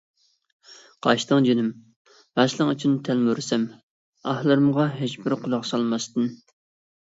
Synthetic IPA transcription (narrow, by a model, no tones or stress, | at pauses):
qʰɑʃit̪ɨŋd͡ʒynɪm | bæslˠɨŋyt͡ʃʰynt̪ʰælmuɾsɛm | ɑhlˠɨɾɨmʁɑɦet͡ʃbɪɾqʰʊlˠɑqsɑlˠmɑst̪ɨn